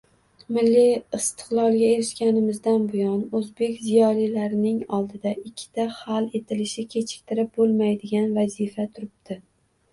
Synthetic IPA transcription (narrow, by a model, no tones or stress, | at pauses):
mɪlːiɪst̪ʰɪ̥qlˠɒlˠɡʲaeɾɪʃkʲanɪmɪzd̪anbʊjɒnɵzbe̞kʲzijɒlijlaɾɪnɪŋɒlˠd̪ɪd̪aʔɪkʲʰːɪ̥t̪ʰahale̞t̪ʰɪlɪʃɪkʲʰe̞t͡ʃʰɪ̥k̚ʲt̪ʰɪɾɪp̚bolˠmajd̪ɪɡʲanvazifat̪ʰʊɾɪp̚d̪ʰɪ